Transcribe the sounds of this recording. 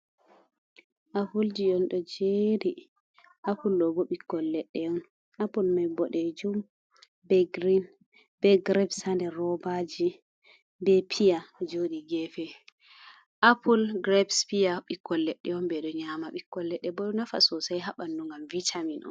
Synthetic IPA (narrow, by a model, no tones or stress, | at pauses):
ʔafuld͡ʒijɔnɗɔd͡ʒedi | ʔapulɗɔbɔɓikːɔlːɛɗːɛɔn | ʔapulmajbɔɗɛd͡ʒum | bɛɡɾin | bɛɡɾɛbsandɛrɔbad͡ʒi | bɛpʰijad͡ʒoɗiɡɛfɛ | ʔapulɡɾɛbspijaɓikːɔlːɛɗːɛɔnbɛɗɔɲamaɓikːɔlːɛɗːɛbɔnafa̰sɔsajɦaɓanduŋɡamvitʰaminʔɔ̰n